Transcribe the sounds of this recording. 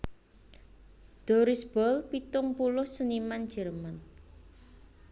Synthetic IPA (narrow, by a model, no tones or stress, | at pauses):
d̪̥ɔ̤ɾɪsb̥ɔlpit̪ʊŋpulʊhsəniman̥ʒ̥ɛ̤rman